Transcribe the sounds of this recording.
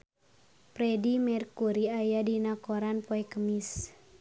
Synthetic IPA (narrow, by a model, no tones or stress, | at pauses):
pɾɛdimɛrkuɾiajadinakoɾanpɔɛkəmis